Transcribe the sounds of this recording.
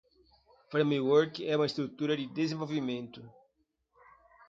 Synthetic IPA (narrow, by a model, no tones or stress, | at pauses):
fɾẽmiwoɾkɛũmɐist̪ɾut̪uɾɐd͡ʒɪd̪ezẽvowvimẽnt̪ʊ